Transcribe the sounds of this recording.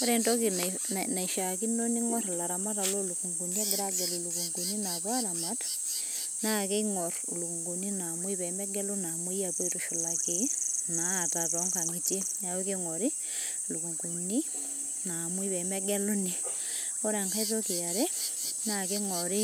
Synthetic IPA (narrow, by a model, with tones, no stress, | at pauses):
o˦ɾe˨ndo˦ki˨n | na˨i˨ʃa˨ki˦no˦ni˦ŋɔ˦ɾla˨ɾa˨ma˦ta˨lo˦lu˨ku˨ŋɡu˨ni˦a˦ɡɪ˨ɾa˦ɡe˨lu˨lu˨ku˨ŋɡu˨ni˦na˨βa˦a˦ɾa˨ma˦t | na˦ke˦ŋɔ˨ɾlu˨ku˨ŋɡu˨ni˦na˨mwi˦pɛ˨mɛ˦ɡɛ˦lo˦na˨mwi˦ja˨po˦i˦tu˨ʃo˨la˨ke˨˦naː˨˦˨ta˨tɔ˨˦ŋka˨ŋi˨tje˦na˨o˦ke˦ŋɔ˨ɾɪ˦ | lu˨ku˨ŋku˨ni˦ | na˨mwi˦pɛ˨mɛ˦ɡɛ˦lo˦ni˨ | o˦ɾa˨ŋka˦i˦to˦ki˨a˨ɾe˦na˦ke˦ŋɔ˨ɾɪ˦